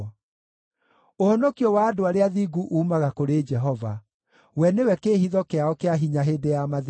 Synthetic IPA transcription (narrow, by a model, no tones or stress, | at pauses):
ohɔnɔkiɔwaːdoaɾeaðiːɡuʔuːmaɣakoɾeːd͡ʒɛɦɔva | wɛnewɛkeːhiðɔkeaɔkeaɦiɲaɦeːdejamað